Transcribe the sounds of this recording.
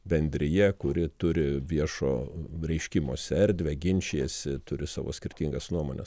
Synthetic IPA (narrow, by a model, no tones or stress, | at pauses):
bʲɛnʲd̪ʲɾʲɪjɛkʊɾʲɪt̪ʊɾʲɪʋʲiɛʃo̰ːɾʲɛɪʃʲkʲimo̰ːsʲɛɾʲd̪ʲʋʲɛɡʲɪnʲt͡ʃʲeɛsʲɪt̪ʊɾʲɪsɑːʋo̰ːsʲkʲɪrʲt̪ʲiŋɡɐsnuɔmo̰ːnʲɛ̰s